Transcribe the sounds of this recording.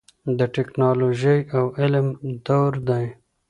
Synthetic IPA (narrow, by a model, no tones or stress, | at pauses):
d̪əʈɪknɑloʒəjawɪlmd̪awɾd̪aj